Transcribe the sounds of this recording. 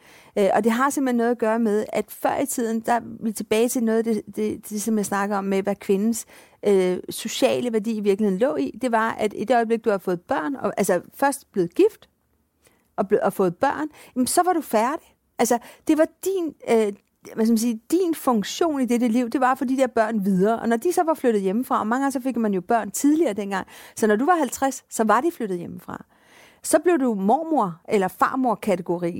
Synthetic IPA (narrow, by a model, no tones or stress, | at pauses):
øʔɒ̽d̥e̝ɦɑ̈sem̰̥henːɔ̽ðˠɐɡ̥ɶːɐmeð̞ˠæd̥fɶɐ̰it͡sʰið̞̰ˠn̩d̥ɑ̈ʋit͡sʰe̝b̥ɛːɪt͡sʰe̝lnɔːð̞ˠæd̥ed̥ed̥e̝sɒ̽mjɑ̈ɪsnɑ̈ɡ̥ð̩ˠɒ̽mːeʋækʰʋe̝nn̩s | øːo̝ɕɛ̰ːləʋæɐd̥ḭːiʋiɐɡ̥l̩he̝ð̰ˠn̩lɔ̰̽ːid̥e̝ʋɑ̈æd̥id̥e̝ɒ̽ɪb̥le̝ɡ̥̚d̥uhɑfɔ̽ːð̞̩ˠb̥ɶɐ̰nɒ̽ʔælsəfɶɐsd̥b̥le̝ːð̩ˠɡ̥ifd̥ | ʔɒ̽b̥ɒfɔ̽ːð̩ˠb̥ɶɐ̰nmsɒ̽ʋɑ̈ɾ̥ufæɐɾ̥i̥ | ʔælsəd̥e̝ʋɑ̈d̥in | ʋæsk̬æmnsiːd̥infɔ̽ŋɕo̝̰ːnid̥eɾəliʊ̰d̥e̝ʋɑ̈fɒd̥id̥e̝ɐb̥ɶɐ̰nʋiðˠɐːʔɒ̽nɒd̥isɒ̽ʋɑ̈fløɾ̥ð̞̩ˠjeməfʁɑ̈ʔɒ̽mɑ̈ŋɡ̥ɑŋsɒ̽fe̝ɡ̥mænjo̝b̥ɶɐ̰nt͡sʰiðˠliɐːd̥enɡ̥ɑ̈ŋ̰sɒ̽nɒduʋɑ̈hælt͡sʰʁasːɒ̽ʋɑ̈d̥ifløɾ̥ð̞̩ˠjeməfʁɑ̰̈ | sɒ̽b̥le̝ʊd̥umɒ̰ːmoɐ̰ʔelɐfɑ̰̈ːmo̝ɐ̰kʰæt͡sʰe̝ɡ̥o̝ʁḭː